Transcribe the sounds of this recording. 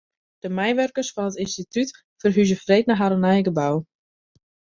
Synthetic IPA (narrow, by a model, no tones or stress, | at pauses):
d̥əmɛjʋørkərsfɔnətinstityt | fərɦyzəfreːtnaɦaɾənɛjɡəbaw